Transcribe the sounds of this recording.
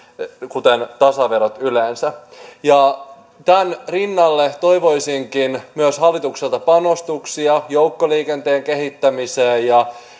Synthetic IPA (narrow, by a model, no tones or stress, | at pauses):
kut̪ent̪ɑsɑʋe̞ɾot̪yleːnsæjɑ | t̪ænrinːɑlːet̪o̞jʋo̞jsiŋkinmyøshɑlːit̪ukselt̪ɑpɑno̞st̪uksiɑjowkːoliːkent̪eːŋke̞ɦit̪ːæmiseːjɑ